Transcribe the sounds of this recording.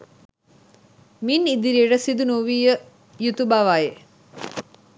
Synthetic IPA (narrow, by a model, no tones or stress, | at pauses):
minid̪iɾieʈəsid̪unuʋiːjə | jut̪ubaʋaje